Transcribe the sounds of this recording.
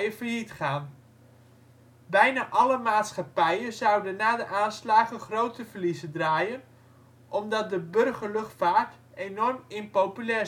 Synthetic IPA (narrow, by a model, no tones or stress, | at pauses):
əfəɹɦitχaːn | bɛjnaːʔɑləmaːtsχɑpɛjənzʌwdənːaːdəʔaːnslaːχəχrowtəvəɹlizədraːjən | ʔɔmdɑt̚dəbɵrχəɹlɵχtfaːɹt | ejnɔrmɪnpowpylɛː